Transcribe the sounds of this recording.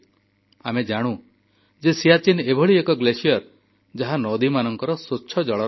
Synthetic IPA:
amed͡ʒaɽ̃ũ | d͡ʒesijat͡ʃinebʱɔɭiekɔɡlesijɔɾ | d͡ʒaɦanɔd̪imanɔŋkɔɾɔsotːʃʰɔd͡ʒɔɭɔ

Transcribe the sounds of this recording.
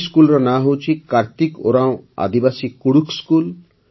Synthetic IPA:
skulɾanaɦowt͡ʃʰikaɾt̪iko̰ɾãõa̰d̪ibasikuɽukskul

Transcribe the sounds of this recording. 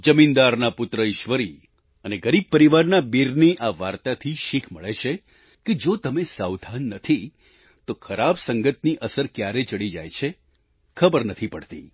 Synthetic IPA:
d͡ʒəmind̪aɾnapʊt̪ɾəɪʃʋəɾi | əneɡəɾib̚pəɾiʋaɾnabiɾneʔaʋaɾt̪at̪ʰiʃikʰməɭet͡ʃʰe | ked͡ʒot̪əmesawd̪ʱanːət̪ʰi | t̪okʰəɾabsəŋɡət̪niʔəsəɾkjaɾet͡ʃəɭid͡ʒa̰jt͡ʃʰe | kʰəbəɾnət̪ʰipəɽt̪ḭ

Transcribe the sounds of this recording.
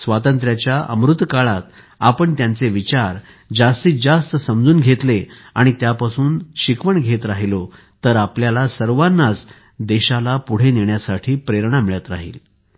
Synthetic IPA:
sʋat̪ənt̪ɾjat͡ɕjaʔə̰mɾut̪ːkaɭat̪ | apəɳt̪jant͡seʋit͡ɕaɾ | d͡zast̪iːd͡zast̪əsəmd͡zuːnɡʱet̪le | aɽ̃it̪japasuːnɕikʋəɳɡʱet̪ɾaɦilo | t̪əɾapljalasəɾʋanːat͡s | d̪eɕalapuɽ̤eneɳjasaʈʰiːpɾeɾɳamiɭjat̪ɾa̰ɦḭːl

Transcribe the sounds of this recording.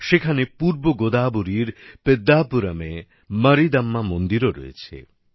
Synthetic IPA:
ʃekʰanepuɾboɡod̪abuɾiɾped̪ːapuɾame | məɾid̪ɐmːamond̪iɾoɾɔ̰ḛt͡ɕʰḛ

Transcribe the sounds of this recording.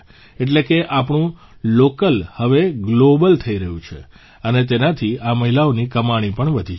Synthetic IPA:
eʈ̬lekeʔapɳũ | lokəlhəʋeɡlobəlt̪ʰəiɾəɦjũt͡ʃʰḛ | ənet̪̬enat̪ʰiaməɦilaonikəmaɽ̃ipəɳʋəd̪ʱi

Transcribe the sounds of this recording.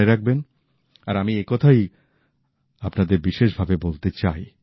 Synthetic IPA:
eɾak̚ben | aɾamiekɔt̪ʰaj | apnad̪eɾbiʃeʃbʱabebolt̪et͡ɕaj

